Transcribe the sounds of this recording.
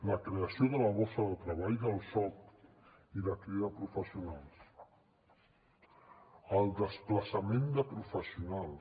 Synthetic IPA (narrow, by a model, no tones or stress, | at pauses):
ləkɾeəsioðələβosəðəlˠt̪ɾəβ̞aʎðəlˠsɔt̪ | iðəkɾiðəpɾufəsiunalˠs | əlˠd̪əspləsəmend̪əpɾufəsiunalˠ